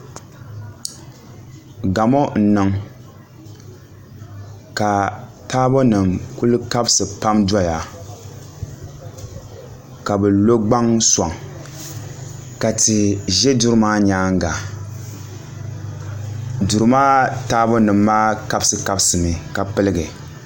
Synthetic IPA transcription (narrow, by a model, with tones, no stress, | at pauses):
ɡa˨mɔ˦n̩˨nɨ˨ŋ | ka˨taː˦bɔ˦nɨ˨mku˦lɨ˦ka˦bsɨ˨pa˦mda˦ja˨ | ka˨bɛ˨lo˦ɡ͡ba˦ŋsʷa˨ŋ | ka˨ti˨ʒɛ˦du˦ɾɨ˦maː˦ɲaː˨˦ŋ˦ɡa˨ | du˨ɾɨ˦maː˦taː˦bɔ˦nɨ˨mːaː˦ka˦bsɨ˨ka˦bsɨ˨mɨ˨ka˨pɨ˦lɨ˦ɡɨ˨